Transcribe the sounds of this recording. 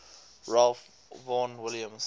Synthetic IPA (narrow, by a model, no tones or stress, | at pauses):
ɹalf | vɔ̃nwɪljə̃ms